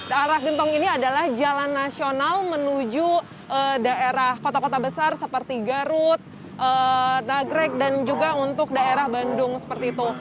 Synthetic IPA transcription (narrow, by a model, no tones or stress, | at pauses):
daaɾahɡənt̪ɔŋiniadalahd͡ʒalanːasionalmənud͡ʒu | ədaʔeɾahkot̪akot̪abəsarsəpərt̪iɡaɾʊt̪̚ | ʔənaɡɾɛk̚dand͡ʒuɡaunt̪ʊk̚daeɾahbandʊŋsə̥pərt̪iːt̪u